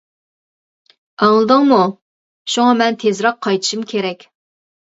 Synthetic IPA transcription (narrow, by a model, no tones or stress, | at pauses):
ɑŋlˠɨd̪əŋmu | ʃuŋɑmɛnt̪ʰezɾɑqʰːɑjt̪ʰɨ̥ʃumkʲʰeɾɛkʲ